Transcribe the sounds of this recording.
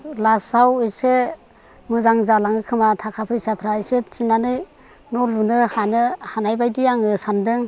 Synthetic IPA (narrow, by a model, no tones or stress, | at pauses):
lasawɯjse | mɯzaŋzalaŋɯkʰɯmatʰakʰapʰɯjsapʰɾaisɯtt͡ʃinanɯj | nɔlunɯhanɯhanajbajdijaŋɯsandɯŋ